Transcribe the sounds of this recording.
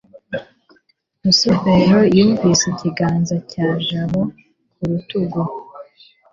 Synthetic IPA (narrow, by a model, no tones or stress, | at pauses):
musoβeɾojuːɱviːseciɡaːnzacaːʒaβo | kʰuɾutuɡo